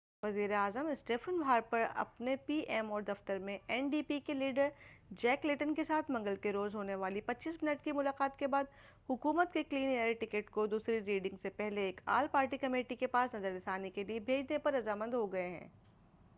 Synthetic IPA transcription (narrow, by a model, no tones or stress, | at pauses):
ʋɐziːɾeaːzəmɪsʈeːfʰənbʱaːɾpɐɾɐ̰pnepiːʔɛːmɔːɾd̪ɐft̪əɾmẽʔɛːnɖiːpikeliːɖəɾd͡ʒɛːklɪʈənkesaːt̪ʰmɐ̃ŋɡəlkeɾoːzɦoːneʋaːlipɐtːt͡ʃiːsmɪnəʈkimʊlaːqaːt̪kebaːd̪ | hʊkuːmət̪kekliːnieɾʈɪkeːʈkod̪uːsɾiɾiːɖɪ̃ŋɡsepɛɦleeːka̰ːlpaːɾʈikɐmeːʈikepaːsnɐzəɾd̪ɪt̪ʰaːnekeliebʱeːd͡ʒnepɐɾːɐzaːmə̃nd̪ɦoɡɐeɦɛ̰̃ː